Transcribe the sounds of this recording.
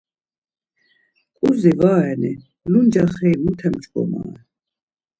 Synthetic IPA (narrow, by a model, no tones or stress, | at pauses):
kʼuzivaːɛni | lund͡ʒaχɛːmut̪ʰɛmt͡ʃʼkʼɔ̰ma̰ːɛ